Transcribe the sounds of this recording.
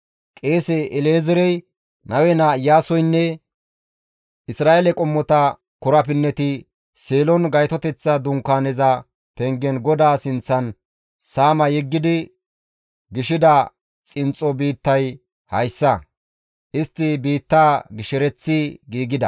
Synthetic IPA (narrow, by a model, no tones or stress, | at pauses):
kʼeːsɛʔɪleːzɛɾɛj | nɐwɛnaːjaːsɔjnːɛ | ʔɪsɾaːʔelɛkʼɔmːɔt̪ɐ | kʊɾɐpɪnːɛt̪ɪ | seːlɔnɡɐjt̪ɔt̪ɛt͡sːɐd̪ʊŋkaːnɛzɐ | pɛŋɡɛnɡɔd̪aːsɪnt͡sːɐn | saːmɐjɛɡːɪd̪ɪ | ɡɪʃɪd̪ɐ | t͡sʼɪnt͡sʼːɔbiːt̪ːɐj | hɐjsːɐ | ʔɪst̪ːɪbiːt̪ːaːɡɪʃɛɾɛt͡sːɪɡiːɡɪd̪ɐ̰